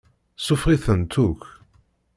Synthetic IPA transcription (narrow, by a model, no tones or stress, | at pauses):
sˤʊfʁiθənt̪uk